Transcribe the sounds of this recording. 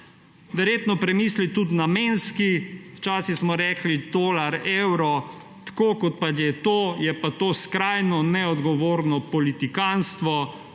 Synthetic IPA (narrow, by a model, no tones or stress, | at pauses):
ʋɛɾjeːt̪nɔpɾɛmiːslit̪ut̪nameːnskiwt͡ʃaːsixsmɔɾɛːklid̪oːlaɾewɾɔ | t̪ḁkoːkɔt̪̚patjɛt̪oːjɛpat̪oːskɾajnɔnɛɔd̪ɡɔʋoːɾnɔpɔlit̪ikanst̪ʋɔ